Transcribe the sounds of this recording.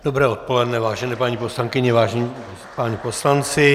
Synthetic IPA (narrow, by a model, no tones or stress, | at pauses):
d̥obɾɛːot̪̚po̞lɛdnɛvaːʒɛnɛːpaɲiposlaŋkɪɲɛvaːʒɛɲi | paɲiposlant͡sɪ